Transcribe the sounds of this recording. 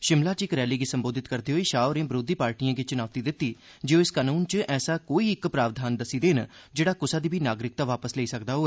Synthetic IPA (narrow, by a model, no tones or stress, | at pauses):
ʃɪmlaːt͡ʃɪkɾɛːliːɡiːsəmboːd̪ʱɪt̪kəɾd̪iːɦoːiːʃaːɾẽːbɾoːd̪iːpaːɾʈiːãːɡiːt͡ʃʊnaːʋt̪iːd̪ɪt̪ːiː | d͡ʒeõːɪskaːnuːnt͡ʃəʔɛːsaːkoːiːɪkpɾaːʋd̪ʱaːnd̪əsiːd̪eːnd͡ʒeːɽaːkʊsaːd̪iːbʱiːnaːɡɾɪk̚t̪aːʋaːpəsleːiːsəkd̪aːɦoː